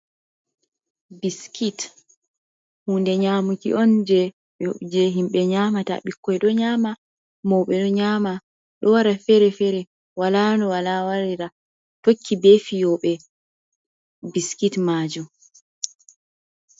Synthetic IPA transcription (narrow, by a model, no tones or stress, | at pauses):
biskʰit | huːndɛɲaːmukḭʔɔnd͡ʒɛ | d͡ʒɛɦimɓɛɲamata̰ɓikːɔjɗɔɲaːma | mɔwɓɛɗɔɲama | ɗɔwaɾafɛɾɛfɛɾɛ | walanɔwalawaɾiɾa | tokʰːibefijɔɓɛ | biskitmaːd͡ʒum